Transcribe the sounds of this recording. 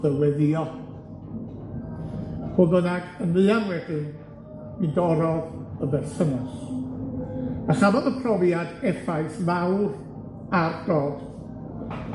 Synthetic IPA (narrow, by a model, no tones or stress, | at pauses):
ðəwɛðɪɔ | hobənaɡ̥ənlɨanwɛd̥ɨn | mɨdɔɾɔðəbɛrsənas | aɬabɔðəpʰrɔvjadɛfajθvawr | ardɔd̥